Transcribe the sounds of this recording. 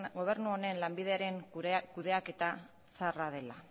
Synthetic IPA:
ɣo̞β̞e̞ɾnuo̞ne̞nlambiðe̞aɾe̞ŋkuðe̞ake̞t̪a | sarað̞e̞la

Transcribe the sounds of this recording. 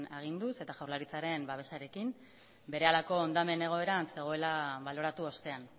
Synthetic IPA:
aɣ̞ind̪use̞t̪aʝawɾlaɾit͡saɾe̞mbaβ̞e̞saɾe̞kim | be̞ɾe̞alako̞ːnd̪ame̞ne̞ɣ̞o̞e̞ɾanse̞ɣ̞o̞e̞laβalo̞ɾat̪uost̪e̞an

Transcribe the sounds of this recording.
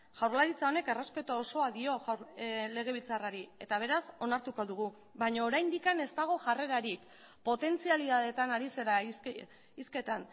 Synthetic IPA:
ʝawɾlaɾit͡sao̞ne̞ke̞re̞spe̞t̪oːso̞aðio̞ɾle̞ɣ̞e̞β̞ilt͡saraɾie̞t̪aβ̞e̞ɾaso̞naɾt̪uko̞ðuɣ̞u | βajɲaoːɾajnd̪ikane̞st̪aɣ̞o̞ʝare̞ɾaɾik | po̞t̪e̞nt͡sialiðaðe̞t̪anaɾise̞ɾa | iske̞t̪an

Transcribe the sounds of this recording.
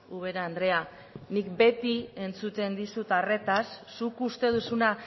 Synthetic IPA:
uβ̞e̞ɾaːnd̪ɾe̞a | nikbe̞t̪ie̞nt͡sut̪e̞nd̪isut̪are̞t̪asːukust̪e̞ð̞usuna

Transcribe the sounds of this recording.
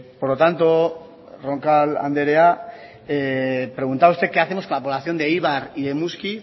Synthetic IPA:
poɾlo̞t̪ant̪o | roŋkala̰nd̪e̞ɾe̞a | epɾe̞ɣunt̪aust̪e̞ke̞aθe̞mosko̞nlapo̞βlaθjo̞nd̪e̞iβaɾiðe̞muski

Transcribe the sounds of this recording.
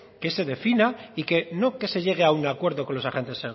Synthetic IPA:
kese̞ðe̞finaike̞no̞ke̞se̞ʝe̞ɣ̞e̞aunakwe̞ɾðo̞ko̞nlo̞saxe̞nt̪ese

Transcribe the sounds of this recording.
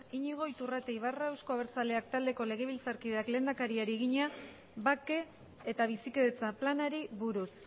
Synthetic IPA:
iɲiɣ̞o̞jt̪urat̪e̞jβ̞arae̞wsko̞aβ̞eɾt͡sale̞akt̪ald̪e̞ko̞le̞ɣ̞e̞β̞ilt͡saɾkiðeakle̞ːnd̪akaɾiaɾieɣ̞iɲa | βake̞ː | t̪aβ̞isikeðet͡saplanaɾiβuɾus

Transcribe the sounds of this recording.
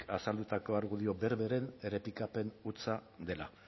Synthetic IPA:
asald̪ut̪ako̞aɾɣuðio̞be̞ɾβe̞ɾe̞nere̞pikape̞nut͡sa | d̪e̞la

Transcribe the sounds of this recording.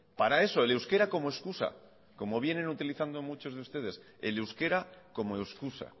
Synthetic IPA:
paɾae̞so̞ele̞wske̞ɾako̞moeskusa̰ | ko̞mo̞β̞je̞nẽ̞nut̪iliθand̪o̞mut͡ʃo̞zð̞eust̪e̞ð̞e̞s | ḛle̞wske̞ɾako̞moe̞wskusa̰

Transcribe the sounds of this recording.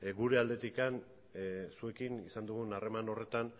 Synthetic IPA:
ɡuɾe̞ald̪e̞t̪ikan | sue̞kinisand̪uɣunare̞mano̞re̞t̪an

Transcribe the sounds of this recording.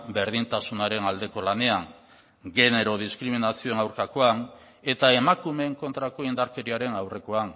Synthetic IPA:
be̞ɾð̞int̪asunaɾe̞nald̪e̞ko̞lane̞aŋ | ɡe̞ne̞ɾo̞ð̞iskɾiminasioenawɾkako̞an | e̞t̪ae̞makume̞ŋko̞nt̪ɾako̞ind̪aɾke̞ɾiaɾe̞nawre̞ko̞an

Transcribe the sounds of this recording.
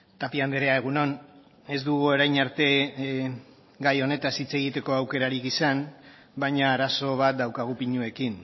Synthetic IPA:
t̪apiand̪eɾe̞ae̞ɣ̞uno̞n | e̞zd̪uɣuoɾajɲaɾt̪e̞ | ɡajo̞ne̞t̪asit͡se̞ɣ̞it̪e̞ko̞awke̞ɾaɾikisan | bajɲaːɾaso̞β̞at̪̚d̪awkaɣ̞upiɲue̞kin

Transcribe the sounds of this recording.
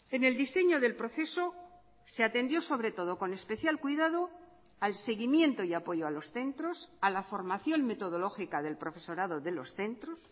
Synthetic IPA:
e̞ne̞ld̪ise̞ɲo̞ðe̞lpɾo̞θe̞so̞ | se̞at̪ẽ̞nd̪jo̞so̞βɾe̞t̪o̞ð̞o̞ko̞ne̞spe̞θjalkwijðað̞o | alse̞ɣimjẽ̞nt̪o̞iapo̞ʝoalo̞sθe̞nt̪ɾo̞salafo̞ɾmaθjo̞ŋme̞t̪o̞ð̞o̞lo̞xikaðe̞lpɾo̞fe̞so̞ɾaðo̞ðe̞lo̞sθe̞nt̪ɾos

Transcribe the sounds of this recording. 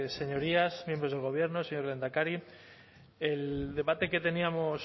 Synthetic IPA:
se̞ɲo̞ɾiasmjembɾo̞zð̞elɣoβ̞je̞ɾno̞seɲo̞ɾle̞nd̪akaɾi | eld̪e̞βat̪e̞ke̞t̪e̞niamos

